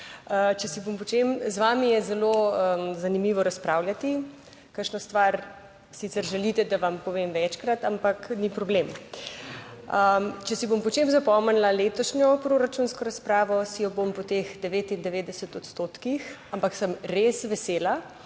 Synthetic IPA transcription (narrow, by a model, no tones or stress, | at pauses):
ət͡ʃɛsibompɔt͡ʃemzʋaːmijɛzɛloəzanimiːʋɔɾaspɾaːwljat̪i | kəɾʃnɔst̪ʋaɾ | sit̪sɛɾʒɛlit̪ɛd̪aʋampɔʋemʋɛt͡ʃkɾat̪ampaknipɾɔblem | ət͡ʃɛsibompɔt͡ʃemzapɔmənlaleːt̪ɔʃɲɔpɾoɾat͡ʃunskɔɾaspɾaːʋɔsijɔbompɔt̪exd̪ɛʋeːt̪ind̪ɛʋeːd̪ɛsət̪ɔt̪st̪ot̪kixampaksəmɾesʋɛseːla